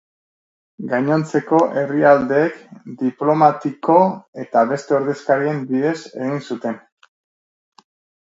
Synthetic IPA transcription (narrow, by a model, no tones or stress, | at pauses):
ɡajɲont͡se̞ko̞ʔe̞riald̪e̞ːkd̪iplo̞mat̪iko̞e̞t̪aβe̞st̪e̞oɾðe̞skaɾie̞mbiðe̞se̞ɣinsut̪e̞n